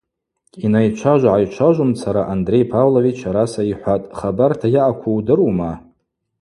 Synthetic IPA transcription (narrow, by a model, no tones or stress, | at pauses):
inajt͡ʃʷʰaʒʷʕajt͡ʃʷʰaʒʷʊmt͡sʰaɾaʔandre̞jpʰavlovit͡ʃʷʰaɾasaiħʷatʼχabartʰajaʔakʷʰuwdɨruwma